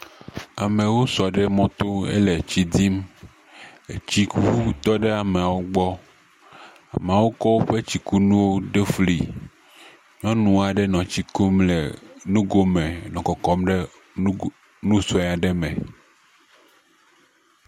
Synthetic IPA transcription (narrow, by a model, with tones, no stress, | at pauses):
a˨mẽ˨wo˦sɔ˨ɖe˦mɔ̃˦t̪o˦ḛ˦le˨t͡ɕi˨d̪i˦m | e˨t͡ɕi˦ku˦t̪ɔ˦ɖe˦a˨me˨a˨wo˦ɡ͡bɔ˦ | a̰˨me˨a˨wo˦kɔ˦wo˦ɸe˦t͡ɕi˨ku˦nũ˦wo˦ɖe˦flḭ˨ | ɲɔ̃˦nũ˨a˨ɖe˦nɔ̃˨t͡ɕi˨ko˦mle˨nũ˦ɡo˦mẽ˨nɔ̃˨kɔ˨kɔ˦mɖe˦ | nũ˦sɔ˨˦ɛ˨a˨ɖe˦mḛ̃˨